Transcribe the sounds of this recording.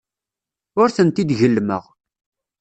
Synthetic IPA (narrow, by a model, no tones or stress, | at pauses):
ʊɾθənt̪id̪ʝəlːmə̰ʁ